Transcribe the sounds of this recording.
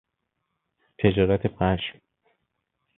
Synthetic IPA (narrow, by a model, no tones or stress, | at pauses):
t̪ʰed͡ʒɒːɾæt̪ʰeʁæʃm